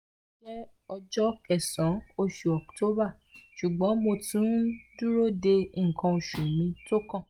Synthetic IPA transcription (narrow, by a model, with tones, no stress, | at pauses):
d͡ʒɛ˦ | ɔ˧d͡ʒɔ˦kɛ˨sã˨˦o˧ʃu˨ɔ˨kto˦ba˦˨ | ʃu˨ɡ͡bɔ̃˨˦mo˧tũ˦du˦ɾo˦˨de˧ŋ̩˨kʰã˧o˧˨ʃu˨mĩ˧to˦kã˦˨